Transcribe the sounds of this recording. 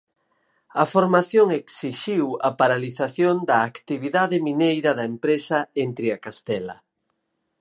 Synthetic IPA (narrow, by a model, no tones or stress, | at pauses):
ɐfoɾmaθjoŋeksiʃiwɐpaɾaliθaθjond̪ɐːkt̪iβiðaðɪminejɾɐðɐempɾesɐent̪ɾiakast̪ɛlɐ̰